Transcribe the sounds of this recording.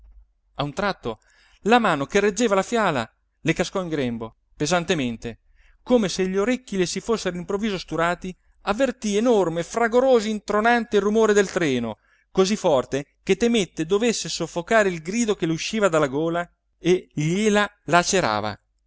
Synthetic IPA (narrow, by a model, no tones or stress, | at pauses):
aunt̪ɾat̪ːo | lamaːnokerːed͡ʒːeːvalafjaːla̰ | lekaskɔiŋɡɾɛmbo | pezant̪ement̪e | koːmeseʎːoɾekːilesifosːeɾoimpɾovːiːzost̪uɾaːt̪i | avːert̪ienormefraɡoɾoːzoint̪ɾonant̪erːumoːɾed̪elt̪ɾɛːno̰ | kozifːɔrt̪eket̪ːemet̪ːed̪ovesːesofːokaːɾeilɡɾiːd̪okeleuʃːiːvad̪alːaɡoːla | eʎela | lat͡ʃeɾa̰ːva̰